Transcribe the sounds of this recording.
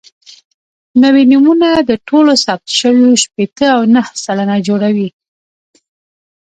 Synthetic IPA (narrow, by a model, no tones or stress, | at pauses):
nawinimunad̪əʈʰolosɑp̚t̪ʃəwjoʃpet̪əawnahsalanad͡ʒoɽawi